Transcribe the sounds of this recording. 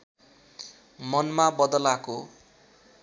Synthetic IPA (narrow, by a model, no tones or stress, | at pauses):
mʌnmabʌd̪ʌlako